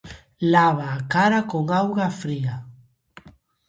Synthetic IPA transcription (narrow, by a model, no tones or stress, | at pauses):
laβaːkaɾakoŋawɣafɾia